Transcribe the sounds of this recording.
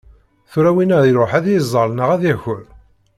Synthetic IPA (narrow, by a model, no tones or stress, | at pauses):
θuɾæwinəðiɾoħæðjizˤːəɾˤnəʁæðæçəɾ